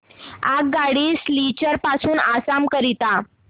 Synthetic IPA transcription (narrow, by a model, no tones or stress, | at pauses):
akɡaɽiːslit͡ɕəɾpasuːnasamkəɾit̪a